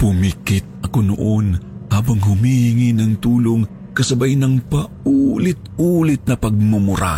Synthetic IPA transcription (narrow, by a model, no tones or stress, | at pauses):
pʊmikɪt̪̚ʔɐkono̰ʔonhaːbɐŋɦʊmihɪŋinɐŋt̪uːloŋ | kɐsɐbajnɐŋpɐʔuːlɪt̪̚ulɪt̪̚nɐpɐɡ̚mumʊɾa̰